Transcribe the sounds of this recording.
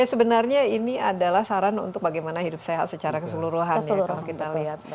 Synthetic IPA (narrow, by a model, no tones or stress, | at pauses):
jasəbənarɲainiadalahsaɾanṵnt̪ʊk̚baɡajmanaɦidup̚saɦa̰sət͡ʃaɾakəsuluɾuɦanjkalakit̪aliɦat̪̚